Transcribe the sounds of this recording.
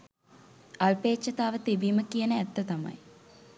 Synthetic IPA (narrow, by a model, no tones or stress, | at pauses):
alpeːtːət̪aːʋət̪ibiːməkijənəæt̪ːət̪amɐ̰j